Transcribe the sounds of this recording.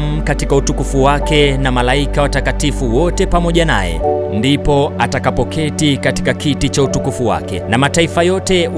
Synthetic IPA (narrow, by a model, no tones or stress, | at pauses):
m̩katikautukufuwakɛnamalaikawatakatifuwɔtɛpamɔʄana̰jɛ̰ndipɔatakapɔkɛtikati̥kakitit͡ʃautukufuwa̰kɛnamataifajɔtɛw